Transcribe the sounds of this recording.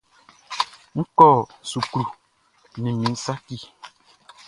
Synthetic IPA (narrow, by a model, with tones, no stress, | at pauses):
ŋ̩˦kɔ˦˨su˨kɾu˨ | nĩ˨mĩ˨˦n̩˦sa˦ki˦˨